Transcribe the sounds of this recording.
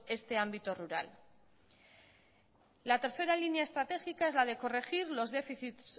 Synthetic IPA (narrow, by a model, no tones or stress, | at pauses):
e̞st̪e̞ambit̪oruɾa̰l | lat̪e̞ɾθe̞ɾalinjaest̪ɾat̪e̞xikaezlað̞e̞ko̞re̞xiɾlo̞zðe̞fiθit̪s